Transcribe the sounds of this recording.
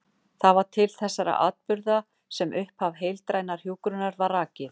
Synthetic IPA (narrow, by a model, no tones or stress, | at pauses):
θavaɾ̥t̪ʰɪlθɛsːaɾa̰ʔa̰ːt̪̚pʏɾða | sɛmʔʏhpavɦejlt̪ɾaːjnaɾ̥juːkɾʏnaɾvaɾraːcɪ